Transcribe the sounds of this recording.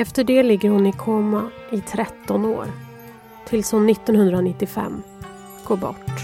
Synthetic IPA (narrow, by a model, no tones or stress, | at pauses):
ɛft̪əɖɛːlɪɡːəɾhʊnɪkʰoːmaʔɪt̪ʰɾɛt̪ːɔno̰ːɾ | t̪ʰɪlshʊnːɪt̪ːɔnhɵnd̪ɾanɪt̪ːɪfɛ̰mː | ɡ̥oːɾbɔ̰ʈː